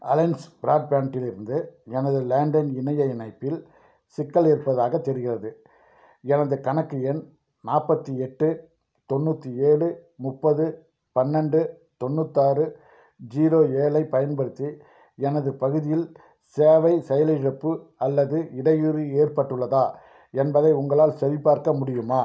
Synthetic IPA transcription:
ɐlɐɪnsbɪɾaːɖ̚paːnʈɪlɪɾɯnd̪ɯɛnɐðɯleːɳɖɐnɪnɐjɐɪnɐɪpːɪl | sɪkːɐleːɾpɐðaːɣɐt̪ːɛɾɯɣɪrɐðɯ | ɛnɐðɯkɐɳɐkːɯɛn | naːpːɐt̪ːiɛʈːɯ | t̪ɔnːuːt̪ːieːɭɯmʊpːɐðɯ | pɐnːɛɳɖɯ | t̪ɔnːɯt̪ːaːrɯ | d͡ʒiːɾoːeːlɐɪpɐjɐnpɐɽɯt̪ːi | ɛnɐðɯpɐɣɯðɪjɪl | seːʋɐɪsɛjɐlɐɪɾɐpːɯɐlːɐðɯɪɽɐjiɾieːrpɐʈːɯɭːɐðaː | ɛnbɐðɐɪʊŋɡɐɭaːlsɛɾɪpːaːɾkɐmʊɽɪjɯmaː

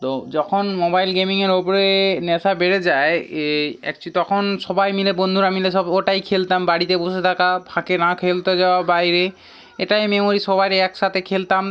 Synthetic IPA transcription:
t̪od͡ʒɔkʰɔnmobajlɡemiŋɛɹopɔɹenɛsabeɹɛzaj | ɛ̰k̚t͡ʃʰut̪ɔkʰɔnsɔbajmilebond̪ʱuɹamilɛs̬ɔboʈajkʰelt̪ambaɽit̪ɛbos̬et̪ʰakabʱãkenãkʰelt̪ɔzababaɦiɹe | ɛtajmemoɹisɔbajɾɛɛksat̪ekʰelt̪am

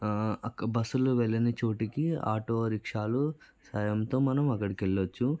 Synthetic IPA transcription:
ɐkbɐsuluʋɛɭːɐnit͡ʃoːʈikia̰ːʈoːɾikʂaːlu | sɐjɐmt̪o̞ːmɐnɐmɐkːɐɽikeɭːɐt͡ʃːu

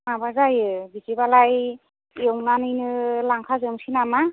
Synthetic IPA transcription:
mabazajɯbizibalaj | ewnanɯjnɯlaŋkʰazɯmsinama

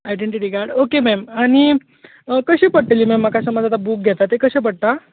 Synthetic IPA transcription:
ajɖeɳʈiʈiːɡaɾɖokemɛmaɽ̃i | əkəɕiːpəɽʈeliːmɛmːakasəməd͡zat̪abuk̚ɡʱet̪at̪ːekəɕẽp̬əɽ̚t̪a

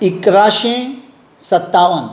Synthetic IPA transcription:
ikɾaːʃẽ | sɐt̪ːaːʋɐn

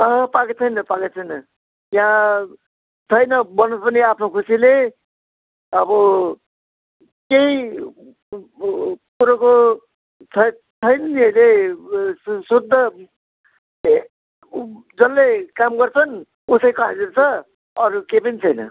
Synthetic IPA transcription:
ʌɦʌpaɡet͡sʰʌjnʌpaket͡sʰʌjnʌ | jã | t͡sʰʌjnʌbʌnʌspʌniapʰnokʰusile | ʌbʌ | kei | kuɾʌko | t͡sʰʌ | t͡sʰʌjnʌiʌjle | sud̪ʱːʌ | d͡zʌlːekamɡʌrt͡sʰʌn | usʌjkʌa̰d͡zeɾt͡sʰʌ | ʌɾukepʌnit͡sʰʌjnʌ̰

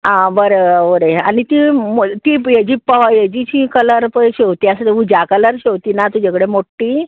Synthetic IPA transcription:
ãbəɾeəɾeañit̪imt̪ijed͡ʑiːpːəʋajed͡ʑit͡ɕĩkələɾpəɕeʋt̪iasəd̪eud͡ʑakələɾɕeʋt̪iːnat̪ud͡ʑakəɽemoʈːiː

